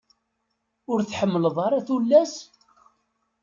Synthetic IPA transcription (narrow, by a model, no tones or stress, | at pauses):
ʊɾθħəmːələðˤɑɾˤaθulːæs